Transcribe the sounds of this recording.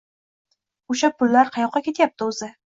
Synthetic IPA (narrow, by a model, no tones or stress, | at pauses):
ʊʃapʰʊlːaɾqʰɑjɒqːɑkʲʰe̞t̪jap̚t̪ʰɪʊzɪ